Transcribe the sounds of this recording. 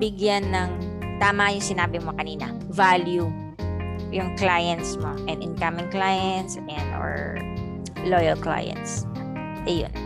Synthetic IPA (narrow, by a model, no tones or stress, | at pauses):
bɪɡjanːɐŋ | t̪aːmɐjʊŋsɪnaːbɪmokɐniːnɐ̰ | valju | jʊŋklajɛnt̪smoʔɛnd̪ɪnkɐmɪŋklajɛnt̪sɛnd̪o̰ɹ | lojɐlkla̰jɛ̰nt̪s | ʔɛjo̰n